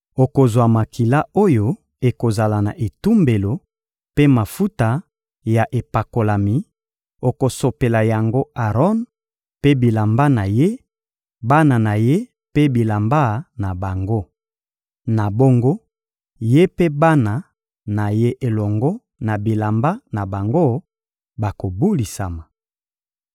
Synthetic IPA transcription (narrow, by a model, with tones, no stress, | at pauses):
o˨ko˨zwa˨ma˨ki˨la˦o˦jo˦ | e˨ko˨za˨la˨na˨ʔe˨tu˦mbe˨lo˨ | pe˦ma˨fu˦ta˨ | ja˨ʔe˨pa˨ko˨la˨mi˨ | o˨ko˨so˨pe˨la˨ja˨ŋɡo˦a˨ʁɔ˦n | pe˦bi˨la˨mba˦na˨je˦ | ba˦na˨na˨je˦ | pe˦bi˨la˨mba˦na˨ba˨ŋɡo˦ | na˨bo˦ŋɡo˦ | je˦pe˦ba˦na˨ | na˨je˦ʔe˨lɔ˨ŋɡɔ˦ | na˨bi˨la˨mba˦na˨ba˨ŋɡo˦ | ba˨ko˨bu˦li˨sa˨ma˨